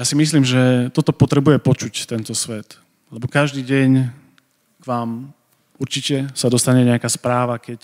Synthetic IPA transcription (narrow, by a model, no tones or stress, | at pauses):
jaːsimisliːmʒɛt̪ɔt̪ɔpɔt̪ɾɛbujɛpɔt͡ʃuct̪ɛnt̪ɔsʋɛt̪ | lɛbɔkaʒd̪iːɟɛɲ | kʋaːm | uɾt͡ʃicɛsad̪ɔst̪aɲɛɲɛakaspɾaːʋakɛc